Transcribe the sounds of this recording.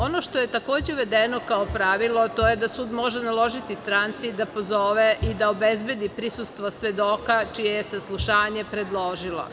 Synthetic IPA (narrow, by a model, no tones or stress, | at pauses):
o̞noʃt̪oje̞t̪ako̞ːd͡ʑeuʋed̪enokaopɾaʋilˠot̪o̞jed̪asuːd̪mo̞ʒenalˠo̞ʒit̪ist̪ɾaːnt̪sid̪apozoːʋeʔid̪aobezbjed̪ipɾisust̪ʋosʋed̪o̞kat͡ʃijejesaslˠuʃaːɲepɾed̪lˠoʒilˠo̰